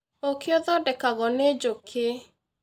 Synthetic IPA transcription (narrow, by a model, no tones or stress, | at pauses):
okʰɪɔðɔdɛkaɣɔned͡ʒokʰe